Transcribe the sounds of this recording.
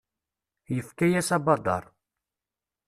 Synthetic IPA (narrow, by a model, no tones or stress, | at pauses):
jəfkæjæsɑbɑd̪ˤɑ̰ɾˤ